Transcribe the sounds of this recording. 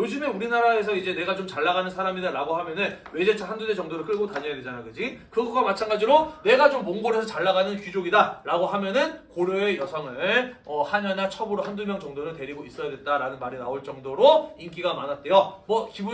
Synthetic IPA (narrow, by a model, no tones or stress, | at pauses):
jod͡ʑɯmeuɾinaɾae̞sʰʌid͡ʑe̞ne̞ɡat͡ɕomt͡ɕaɭːaɣanɯnsʰaɾamidaɾaɡoɦhamjʌnɯnwe̞d͡ʑet͡ɕʰahandudet͡ɕʌŋdoɾɯɭk͈ʰɯɭɡotaɲʌjadwed͡ʑanajɡɯd͡ʑikɯɡʌɡ͈amat͡ɕʰanɡad͡ʑiɾone̞ɡat͡ɕomːoŋɡoɾɦe̞sʰʌt͡ɕaɭːaɡanɯnkid͡ʑoɡidaɾaɡoɦhamjʌnɯnkoɾjoe̞jʌsʰʌŋɯɭʌhaɲʌnat͡ɕʰʌbuɾohandumjʌŋt͡ɕʌŋdoɾɯɭtwe̞ɾiɡois͈ʌjadwet̚t͈aɾanɯnmaɾinaoɭt͡ɕ͈ʌŋdoɾoink͈iɡamanɦat̚t͈e̞jʌmʌkibu